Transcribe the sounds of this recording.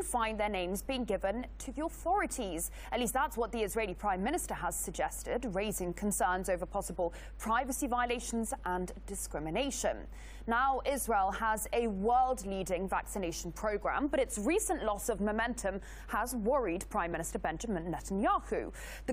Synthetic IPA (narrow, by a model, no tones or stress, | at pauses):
əfãɪ̃nðənẽɪ̃mzbiɪ̃ŋɡɪvə̃ntʰəðiəθɔɹɨtʰiz̥ | ətˡliˑst̚ðætswɒt̪̚ðiɨzɹeɪlipʰɹ̥ãɪ̃mːɪ̃ñɨstə˞əz̥səɡ̚d͡ʒɛstɪdɹeɪzɪ̃ŋkʰə̃n̩sɜ̃ːnzoʊvəpʰɒsəbəlˠ | pʰɹ̥aɪvəsivaɪəleɪʃə̃n̩zʔə̃nd̥ɨskɹɪmɨneɪʃə̰̃nː | aʊʔɪzɹeɪlˠəzəwɜːlˠdˡlidɪ̃ŋvæ̰ksɨneɪʃn̩pʰɹ̥əʊɡɹã̰mbʌɾɨtsɹisə̃nʔlɔsəvməmɛ̃ntʰə̃m | əzwʌɹidpʰɹ̥ãɪ̃mːɪ̃ñɪstə˞bɛ̃nd͡ʒəmə̃nːɛtə̃njɑhʉ | ðə